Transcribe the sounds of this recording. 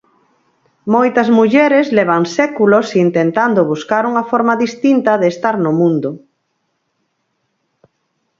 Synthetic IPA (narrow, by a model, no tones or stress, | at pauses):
mojt̪ɐzmuʎɛɾezlɛβ̞ɐŋsɛkulosint̪ent̪and̪ʊβuskaɾuŋɐfɔɾmaðist̪int̪ɐðeːst̪aɾnʊmũnd̪ʊ